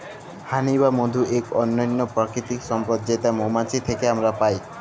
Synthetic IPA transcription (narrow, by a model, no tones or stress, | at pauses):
hanibamod̪ʱuʔekɔnːɔjnːopɾɔkɾit̪iksɔmpɔd̪d͡ʒaejt̪amomat͡ʃʰit̪ʰekeamɾapaj